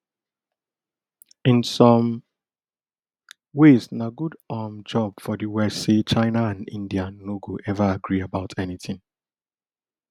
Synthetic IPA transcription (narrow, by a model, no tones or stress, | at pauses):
ɪ̃nsɔ̃m | weznaɡudamd͡ʒɔb̥fɔdiwɛset͡ʃãɪnaãnḭ̃ndianoɡoʔɛvaaɡɹiabaʊtʰɛniθɪ̃ŋ